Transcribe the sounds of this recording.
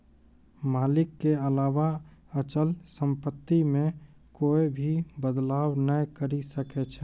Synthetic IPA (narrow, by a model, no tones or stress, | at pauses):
maːlɪkːeəlawaət͡ʃəlsə̃mpət̪ːimẽ | koːebʱibəd̪laːwnəjkəɾisəkɛt͡ʃʰɛ